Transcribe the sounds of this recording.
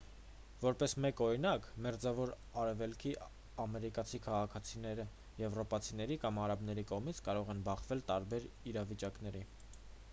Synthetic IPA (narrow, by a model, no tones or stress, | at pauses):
vɔɾpɛsmɛkɔɾinɑkmɛɾd͡zɑvɔɾ | ɑɾɛvɛlkʰi | ɑmɛɾikɑt͡sʰikʰɑʁɑkʰɑt͡sʰinɛɾə | jɛvrɔpɑt͡sʰinɛɾikɑmɑɾɑbn̪ɛɾikɔʁmit͡sʰkɑɾɔʁɛnbɑχvɛlt̪ɑɾbɛɾ | iɾɑvit͡ʃɑkn̪ɛɾi